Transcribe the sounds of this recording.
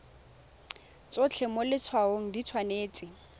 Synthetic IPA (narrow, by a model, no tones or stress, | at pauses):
t͡sot͡ɬʰɛmʊlɪt͡sʰwaoŋ̩dit͡sʰwaneːt͡sʼɪ